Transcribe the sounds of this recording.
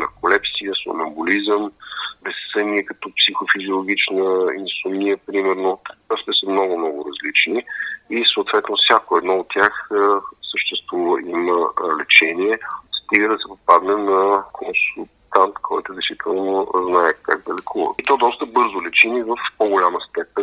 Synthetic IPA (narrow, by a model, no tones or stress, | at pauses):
nɐ̰kolɛpsijəso̰nɐmbulizəmbɛssəniəkɐt̪ɔpsixofizʲiolˠoɡʲit͡ʃnəinsʊmijəpɾimɛɾnoast̪ɛsəmnɔɡʊmnɔɡʊɾɐzlit͡ʃniisoːt̪vɛt̪nofsʲakoɛd̪nɔot̪ʲːjaxsəʃt̪ɛst̪vuvəʔiməlɛt͡ʃɛniɛst̪iɡəd̪ɐsɛpopad̪nɛnɐkʰonsulˠt̪ant̪kʰɔjt̪ʊd̪ɛjsvit̪ʰɛlˠnoznaɛkaɡ̚d̪ɐlɛkʰuvə̰t̪ɔd̪ɔst̪əbɤɾzʊlɛt͡ʃinivəfpoɡʊlʲaməst̪ɛpɛn